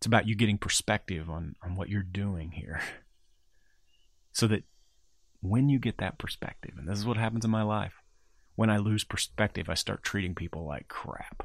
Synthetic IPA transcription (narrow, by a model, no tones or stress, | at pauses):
ɪtsəbaʊt͡ʃɨɡɛɾɪ̃ŋpʰə˞spɛk̚tɪvn̩n̩wʌ̰t͡ʃə˞dʉɪ̃ŋhḭɹ | soʊðɨt̚ | wɨ̃njɨɡɛt̪̚ðɨ̰t̚pʰə˞spɛ̰k̚tɨ̰ṽn̩ðɪs̬ɨzwʌt̚ɦæpn̩zɨ̃nmaɪlaɪf | wə̃ɾ̃aɪlʉz̥pʰə˞spɛk̚tɨvaɪstɑ̰ɹtʰɹ̥iɾɪ̃ŋpʰipl̩ˠla̰ɪkʰɹ̥æ̰p